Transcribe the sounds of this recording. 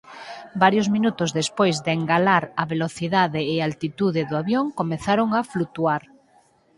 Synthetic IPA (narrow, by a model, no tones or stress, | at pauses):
baɾjozmĩnut̪ozðespojzðeŋɡalaɾaβeloθiðaðeːalt̪it̪uðeðoaβjoŋkomeθaɾoŋaflut̪uaɾ